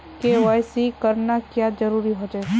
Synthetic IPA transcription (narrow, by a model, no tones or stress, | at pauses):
keʋajsikəɾnakjad͡ʒəɾuːɾiɦod͡ʒaːe